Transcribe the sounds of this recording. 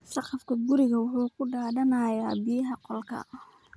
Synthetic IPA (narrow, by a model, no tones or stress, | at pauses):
ʃɑqɑfkʰɐɡʊɾɪɣɐwʊħuːkʰʊɖaːdɐnɐjaːbɪjɐɦɐqɔlkʰɐ̰